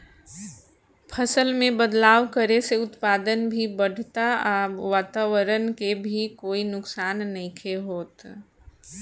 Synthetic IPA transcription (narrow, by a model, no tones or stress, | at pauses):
pʰəsəlmẽbəd̪laːʋkəɾeseʊt̪paːd̪ənbʱibəɽ̤ʱt̪aaːbʋaːt̪aːʋəɾənkebʱikoːinʊksaːnːɐĩkʰeɦoːt̪